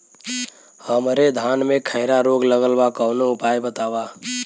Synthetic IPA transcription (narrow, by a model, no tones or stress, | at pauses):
həmɾed̪ʱaːnmẽkʰəɪɾaɾoːɡləɡəlbakəʊnoʊpaːjbət̪aːwaː